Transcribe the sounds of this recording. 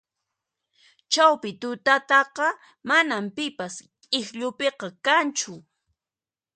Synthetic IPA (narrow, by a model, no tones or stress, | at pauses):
t͡ʃawpɪt̪ʊt̪at̪ɑqɑ | manampɪpas | kʼɪxʎʊpeqɑkant͡ʃʊ